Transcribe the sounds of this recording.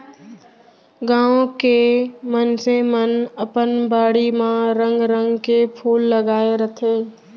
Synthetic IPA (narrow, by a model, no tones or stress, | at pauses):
ɡãːõkemənsemənəpənbaːɽimãɾə̃ŋɡɾə̃ŋɡkepʰuːlːəɡaːeɾət̪ʰeː